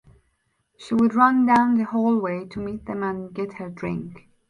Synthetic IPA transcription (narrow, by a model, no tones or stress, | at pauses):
ʃiwəd̚ɹʌ̃ndãʊ̃nðɨhɔlˠweɪtʰəmit̪̚ðə̃mə̃nɡɛt̚hə˞dɹɪ̰̃ŋk